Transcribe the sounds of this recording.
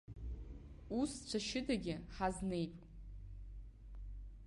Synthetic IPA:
ust͡ʃʷʰaʃɪdaɡʲɪħazne̞jpʼ

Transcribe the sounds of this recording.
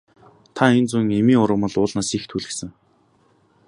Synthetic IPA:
t̪ʰaent͡suŋemiːŋʊɾə̆mə̆ɮʊːɮnaːsixt̪ʰuɮɘ̆ksɘ̆ŋ

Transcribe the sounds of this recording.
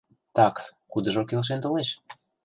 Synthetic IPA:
t̪ɑkskud̪ə̆ʒokelʃ̬ent̪oneʃ

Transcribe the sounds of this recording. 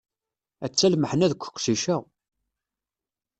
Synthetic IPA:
æt͡sːælməħnæðkʷːə̥qːsiʃæ

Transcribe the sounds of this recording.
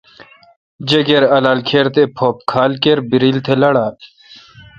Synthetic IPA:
d͡ʑɐɡeɾɐlaːlkʰeːɾt̪epʰoːp̚kʰaːlkeɾbiɾilt̪ʰelɐɽaː

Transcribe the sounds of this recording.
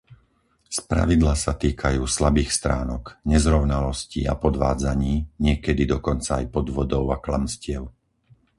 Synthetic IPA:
spɾa̰ʋid̪laːsat̪iːkʰajuːslabiːxst̪ɾaːnɔkɲɛzɾɔʊnalɔscḭa̰pɔd̪ʋaːd͡zaɲiːɲɪɛkɛd̪id̪ɔkɔnt͡saajpɔd̪ʋɔd̪ɔʊaklamscɪɛʊ

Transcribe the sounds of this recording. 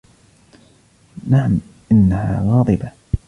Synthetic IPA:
naʕamʔɪnːaha̰ːɣɑːd̪ˤɨba

